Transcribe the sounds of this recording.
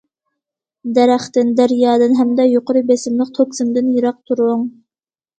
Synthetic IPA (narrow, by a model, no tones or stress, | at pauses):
d̪ɛɾæχt̪ɪnd̪æɾjɑːd̪ɨnɦɛmd̪ɛjoqoɾɨbesɪmlˠəq̚t̪ʰoksɨmd̪ɨnjiɾɑq̚t̪ʰuɾʊŋ